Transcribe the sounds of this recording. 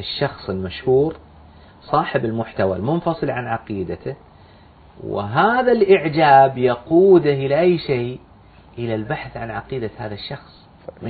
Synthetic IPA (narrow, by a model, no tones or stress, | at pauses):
ɪʃːɑxsˤɪlmaʃhuːɾ | sˤɑːħɪbɪlmʊħt̪awa̰lmʊnfɑsˤɨlʕanʕɑqiːd̪at̪ɪ | wɪ̰ɦaːðalʔɪʕd͡ʒaːbjɑquːd̪aʔɪlaʔajːʃeː | ʔɪlalbaħθʕanʕɑqiːd̪ahaːðaʃːɑxsˤ | m